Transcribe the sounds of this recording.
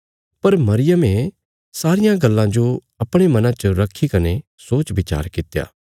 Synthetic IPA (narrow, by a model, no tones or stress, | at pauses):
pɐɾmɐɾɪjəme | saːɾɪjãɡɐlːãd͡ʒo | ɐpɽ̃emɐnãt͡ʃəɾɐkʰːikɐne | soːt͡ʃʋɪt͡ʃa̰ːɾkɪt̪ja̰ː